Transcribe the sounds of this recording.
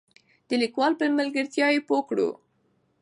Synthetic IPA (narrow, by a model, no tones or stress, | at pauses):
d̪̥əlikwɑlpəmalɡəɾt̪jɑjepokɽṵ